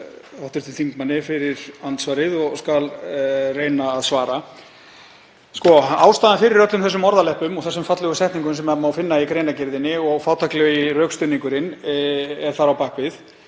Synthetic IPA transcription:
awht̪ʏɾ̥t̪ɪnθiŋkmanːɪfɪɾɪɾant̪svaːɾɪðɔɣskalreːjnaːðsvaːɾa | skɔaːwst̪aːðanfɪɾɪɾœt̪lʏmθɛsːʏmɔɾðalɛhpʏmɔɣθɛsːʏmfat̪lʏɣʏsɛht̪niŋkʏmsɛmamaːwfɪnːaikɾejnacɪɾðɪnːɪɔɣfaːwt̪ʰaklœirœːkst̪ʏniŋkʏɾɪn | ɛɾ̥θaɾawpaːhkvɪð

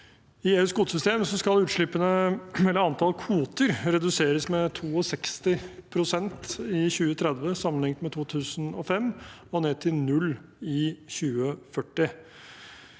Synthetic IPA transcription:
ɪeːʉːskuːt̪sʏst̪eːməsɔskɑlʉːt̪ʂɭɪpːənəɛlːəɾɑnt̪ʰɑlkʰuːt̪əɾɾɛd̪ʉseːɾəsmɛt̪ʰuːɔsɛkst̪ɪpʰɾʊsɛnt̪ɪçʉːət̪ʰɾɛd̪ʋəsɑmːənlɪŋt̪mɛt̪ʰuːt̪ʰʉːsənɔfɛm | ɔneːt̪ʰɪlnʉlː | ɪçʉːəfœʈːɪ

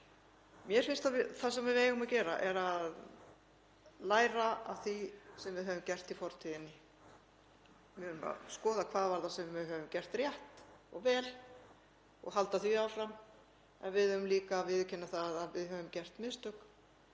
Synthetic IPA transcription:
mjɛɾ̥fɪnst̪avɪθasɛmvɪveːjʏmacɛːɾaʔɛɾað | laːjɾaa̰θisɛmvɪðɦœvʏmcɛr̥t̪ifɔɾ̥t̪ʰiðɪnːɪ | vɪʏɾʏma̰skɔːðakʰvaːðvaɾðasɛmvvɪɦœːvʏmcɛr̥t̪rjaht̪ɔɣvɛːl | ɔ̰ɣɦal̪t̪aθviaːwfɾamː | ɛnvɪðœɾʏmliːkavɪðcʰɪnːaθaðavɪðɦœvʏmcɛr̥t̪mɪðst̪ʏk

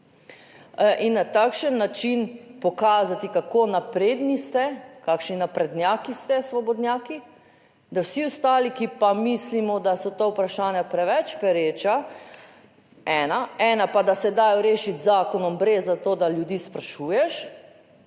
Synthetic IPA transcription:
ʔinːat̪aːkʃənːat͡ʃinpɔkaːzat̪ikakonapɾeːd̪nist̪ɛkakʃninapɾɛd̪njaːkist̪ɛsʋɔbɔd̪nʲjaːki | d̪awsiɔst̪aːlikipamislimɔd̪asɔt̪owpɾaʃaːnjapɾɛʋɛt͡ʃpɛɾeːt͡ʃa | ɛnaɛːnapad̪asɛd̪aːjɔɾeːʃit̪zaːkɔnɔmbɾezːat̪oːd̪aljud̪iːspɾaʃuːjɛʃ

